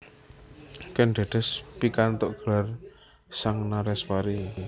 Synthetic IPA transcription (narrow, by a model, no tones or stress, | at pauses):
kɛnɖ̥a̤ɖ̪̥ɛ̤spikant̪oʔɡ̥ə̤lar | saŋnaɾɛswaɾi